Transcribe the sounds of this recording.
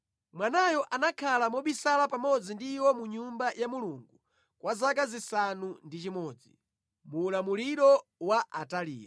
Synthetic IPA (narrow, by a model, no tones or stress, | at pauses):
mwanajɔʔanakʰalamɔɓisalapamɔd͡zindiwɔmuɲumbajʔamuluŋɡu | kwazak̬azisanundit͡ʃimɔːd͡zi | muːlamuliɾɔwaʔatalḭːja